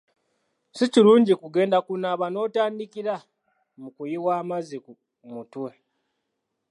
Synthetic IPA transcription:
siciɾuːɲɟikuɡe̞ːndakunaːβano̞ːtaːndikiɾa | mukujiwaːmaziku | mutwe̞

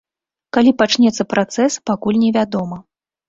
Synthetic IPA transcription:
kalʲipat͡ʂnʲɛt̪sːɐpɾʔat̪sɛspakulʲnʲɛvʲad̪ɔmɐ

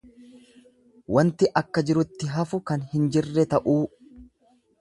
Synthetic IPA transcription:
wɐnt̪ɪʔɐkːɐd͡ʒɪɾʊt̪ːɪɦɐfʊkɐnhɪnd͡ʒɪrːɛt̪ɐʔuː

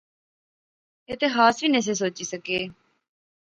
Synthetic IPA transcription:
et̪ɪɦaːsʋiːnes̬eːs̬oːt͡ʃiːsəkeː

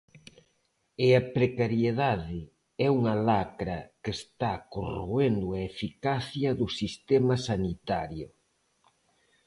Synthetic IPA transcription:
eɐpɾekaɾjeðaðɪ | ɛuŋɐlakɾɐkest̪akorend̪ʊɐefikaθjɐðʊsist̪ɛmɐsanit̪aɾjʊ

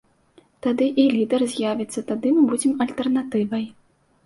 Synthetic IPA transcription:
t̪ad̪ɨʔilʲid̪ɛrzʲjavʲɛt̪sːɐt̪ad̪ɨmɨbud͡zʲɛmɐlʲt̪ɛrnat̪ɨvɐj

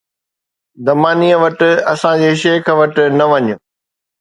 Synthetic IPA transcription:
d̪ɐmaːniːəʋɐʈ̆ɐsãd͡ʑeːʃeːkʰəʋɐʈ̆nɐʋɐɲʊ

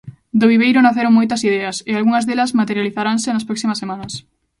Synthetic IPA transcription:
d̪oβ̞iβejɾʊnaθeɾoŋmojt̪ɐsiðɛɐsealɣuŋɐzðelɐsmat̪eɾjaliθaɾaŋsɪnɐspɾɔksimɐsemanɐs

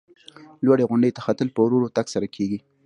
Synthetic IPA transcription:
lwaɽeɣʊɳɖet̪axat̪əlpəwɾoɾot̪aksaɾakʰeɡi

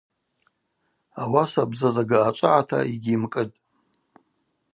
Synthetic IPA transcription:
awasabzazaɡaːt͡ʃʷʼaʕatʰa̰iɡʲimkʼɨtʼ

